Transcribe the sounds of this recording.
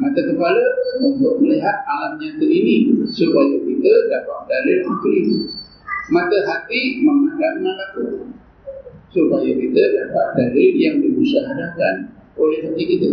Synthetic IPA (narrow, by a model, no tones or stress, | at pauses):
mat̪akəpaləunt̪ʊʔməliɦat̪̚alamɲãk̪əinisupajakit̪ədapat̪̚dalɪlakɾin | mãt̪aɦat̪iməŋadaʔŋanaku | supajakit̪ədapat̪̚dalijaŋdiusaɦaɾakanolɛhɦat̪ikit̪ə